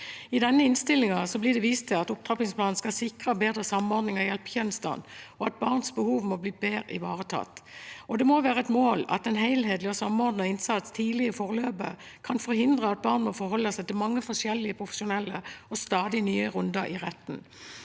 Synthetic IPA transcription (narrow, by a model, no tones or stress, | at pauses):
ɪd̪ɛnːəɪnst̪ɪlːɪŋɑsɔblɪd̪ɛʋiːst̪ʰɪlɑt̪ʊp̚t̪ʁɑːpɪŋspʰlɑːnn̩skɑsɪkʁəbeːd̪ʁəsɑmɔɾd̪nɪŋɑjɛlpçɛnst̪ɑ̰nɔɑt̪̚bɑʁnsbəhuːʋmɔbliːbeːɾɪ̰ʋɑːʁət̪ʰɑ̰t̪ːɔd̪ɛmoʋæːʁəɛt̪moːlɑ̰t̪ɛnheɪlɦeːd̪lɪɔsɑmɔʁd̪nəɪnsɑt̪st̪ʰiːlɪəfɔʁløːbə̰ | kʰɑnfɔɾhɪnd̪ʁəɑt̪̚bɑːʁnmɔfɔɾhɔlːəsæɪt̪ɪlmɑŋːəfɔʂɛlːɪəpʰʁʊfə̥ʂʊnɛlːəɔst̪ɑːd̪ɪnyːəʁʉnd̪ɑʔɪʁɛt̪ːn̩